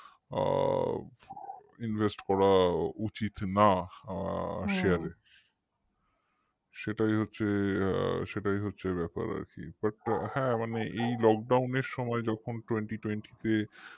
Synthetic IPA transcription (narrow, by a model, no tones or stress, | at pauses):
invʱesʈkɔɾaut͡ɕit̪na | ʃeaɾe | ʃeʈajɦotːɕʰḛ | ʃeʈajɦotːɕʰebɛpa̰ɾa̰ɾkḭbaʈhɛ̃maneʔejlɔk̚ɖawneɾʃɔmɔed͡ʑɔkʰonʈweɳʈiʈwenʈit̪e